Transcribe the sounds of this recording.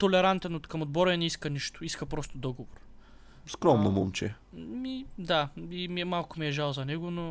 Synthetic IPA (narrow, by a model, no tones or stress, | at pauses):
t̪olɛɾant̪ɛnot̪kɐmod̪̚bɔɾɛnɛiskəniʃt̪ʊ̥iskəpɾɔst̪ʊd̪ɔɡovoɾ | skɾɔmnomomt͡ʃɛ̰ | mid̪aimiɛmalˠkʊmiɛʒalˠzɐnɛɡʊno